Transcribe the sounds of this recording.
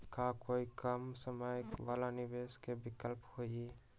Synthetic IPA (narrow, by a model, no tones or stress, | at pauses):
kakoikəmsəməjkʋaːlanɪbeskebɪkəlphoi